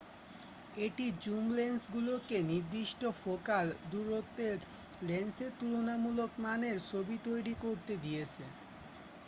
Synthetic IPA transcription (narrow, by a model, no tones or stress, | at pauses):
eʈid͡ʑumlensɡulokeniɾd̪iʃʈofokald̪uɾot̪ːeɾ | lenseɾt̪uɾonamulokmaneɾt͡ɕʰobit̪ojɾikoɾt̪ed̪ijet͡ɕʰe